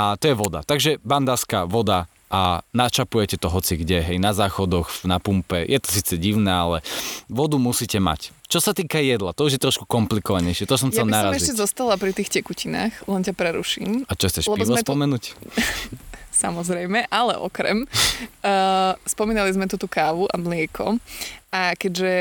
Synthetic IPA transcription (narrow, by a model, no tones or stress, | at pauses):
at̪ɔjɛʋɔd̪a̰t̪aɡʒɛband̪aːskaʋɔd̪a | ʔanat͡ʃapujɛcɛt̪ɔɦɔt͡siɡɟɛɦɛjnazaːxɔd̪ɔxnapumpɛjʔɛt̪ɔ̥siːt͡sɛɟiʊnɛːalɛʋɔd̪umusiːcɛma̰ct͡ʃɔsat̪iːkajɛd̪lat̪ɔuʒjɛt̪ɾɔʃku̥kɔmplikɔʋaɲɛjʃɪɛt̪ɔs̬ɔmjanaɾamɛzilɛzɔst̪alapɾit̪iːxcɛkucina̰ːxlɛncapɾɛɾṵʃḭːmat͡ʃɔxt͡sɛʃlɛpibɔmspɔmɛnuːc | samɔzɾɛjmɛʔalɛ̰ʔɔ̰kɾɛ̰m | spɔmiːnalizmɛt̪ut̪uːkaːʋuʔamlɪɛkʰɔ̰akɛɟʒɛ